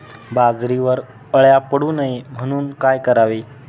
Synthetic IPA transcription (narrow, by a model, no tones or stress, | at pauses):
bad͡zɾiʋəɾ | əɭjapəɽuːnaim̤əɽ̃uːnkajkəɾaʋe